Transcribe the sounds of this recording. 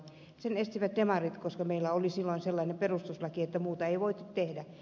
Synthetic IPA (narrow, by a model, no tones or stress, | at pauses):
senest̪iʋæt̪demɑrit̪koskɑmeilːæolisilːoinselːɑinemperust̪uslɑkiet̪ːæmuːt̪ɑeiʋoit̪ːut̪t̪ehdæ